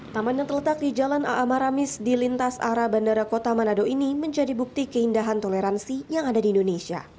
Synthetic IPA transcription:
t̪amanjaŋt̪ərlət̪ak̚did͡ʒalanʔa̰ʔamaɾamɪsdilint̪asa̰ɾabandaɾakot̪amanadoiniməɲd͡ʒadibuk̚t̪ikəindaɦant̪oleɾansijaŋadadiːndonesia̰

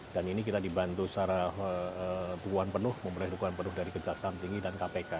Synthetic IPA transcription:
d̥aninikit̪adibant̪usaɾaət̪ukuanpənʊhməmbəlɪhɾukuanpənʊhdaɾikəd͡ʒaksamt̪iŋɡidankapeka

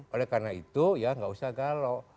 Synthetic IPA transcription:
olɛkarnait̪ujaŋɡausahɡalɔ

